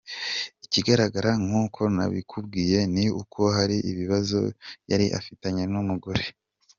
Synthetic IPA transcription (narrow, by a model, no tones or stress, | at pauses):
iciɡaɾaɡaɾaŋ̥hukʰo̞na̰βikʰubɡiːje̞niukʰo̞ɦaɾiʔiβiβazo̞̰jaɾiʔa̰fitaɲenumuɡuɾe